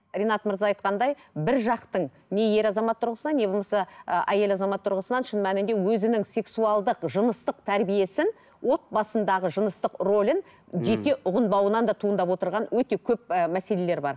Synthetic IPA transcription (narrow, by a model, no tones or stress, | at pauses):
ɾʲenɑt̪məɾzɑɑjt̪̚qɑnd̪ɑjbɪɾʒɑqt̪əɴ | ne̞je̞ɾɑzɑmɑt̪ʰːʊɾʁəsənɑne̞bomɑsəʔæje̞lɑzɑmɑt̪ʰːʊɾʁəsənɑnʃənmænɪnd̪e̞wɵzɪnɪŋse̞ksuɑlˠd̪əqʒənəst̪əq̚t̪ʰæɾbije̞sɪn | wo̞t̪̚bɑsənd̪ɑʁəʒənəst̪əqro̞lʲɪn | ʒe̞t̪e̞ʔʊʁənbɑwənɑnd̪ɑt̪ʰuənd̪ɑpwo̞t̪əɾʁɑnwɵt̪e̞kʲʰɵp̚mæse̞le̞le̞ɾbɑ̰ɾ